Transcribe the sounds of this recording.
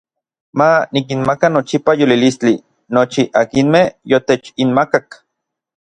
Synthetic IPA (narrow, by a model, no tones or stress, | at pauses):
manik̬inmakanot͡ʃipajolilist͡ɬi | not͡ʃiʔakinmehjot̪et͡ʃinmakak